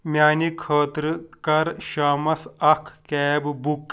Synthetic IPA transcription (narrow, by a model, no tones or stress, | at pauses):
mʲaːnikʰəːt̪ɾɨkɐɾʃaːmɐsɐkʰkɛːbbuk